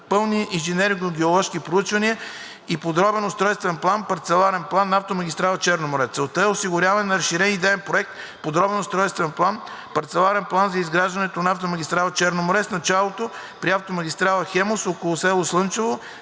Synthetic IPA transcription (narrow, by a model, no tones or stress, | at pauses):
pɤlˠniinʒɛnɛɾɡnoɡʲɛolˠɔʃkipɾout͡ʃvɐniə | ipod̪ɾɔbɛnʊst̪ɾɔjst̪vɛnplˠanpɐɾt̪sɛlˠaɾɛnplˠanːaft̪omɐɡʲist̪ɾalˠɐt͡ʃɛɾnomʊɾɛt̪sɛlˠt̪əɛosiɡʊɾʲavɛnːɐɾəʃːiɾɛnid̪ɛɛnpɾoɛk̚t̪ | pod̪ɾɔbɛnost̪ɾɔjst̪vɛnplˠan | pɐɾt̪sɛlˠaɾɛnplˠanzɐizɡɾaʒd̪ɐnɛt̪onaaft̪omɐɡ̟ʲist̪ɾalˠɐt͡ʃɛɾnomʊɾɛsnɐt͡ʃalˠot̪o | pɾiaft̪omɐɡ̟ʲist̪ɾalˠəxɛmosokolˠʊsɛlˠoslˠɤnt͡ʃɛvo